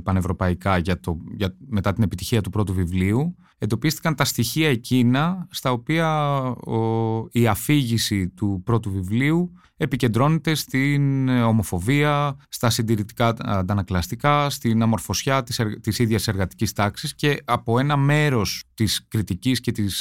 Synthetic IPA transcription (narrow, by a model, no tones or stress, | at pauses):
pɐne̞vɾo̞pɐikɐʝɐt̪oʝɐme̞t̪ɐt̪ine̞pit̪içiɐt̪upɾo̞t̪uvivliu | e̞nd̪o̞pist̪i̥kɐnt̪ɐst̪içiɐe̞cinɐst̪ɐo̞piɐoiɐfiʝisit̪upɾo̞t̪uvivliu | e̞pice̞nd̪ɾo̞ne̞t̪e̞st̪ino̞mo̞fo̞viɐst̪ɐsind̪iɾit̪i̥kɐnd̪ɐnɐklɐst̪ikɐst̪inɐmo̞ɾfo̞sçɐt̪iseɾt̪isiðʝɐse̞ɾɣɐt̪i̥cist̪ɐksisce̞ɐpo̞e̞nɐme̞ɾo̞st̪iskɾit̪icisce̞t̪is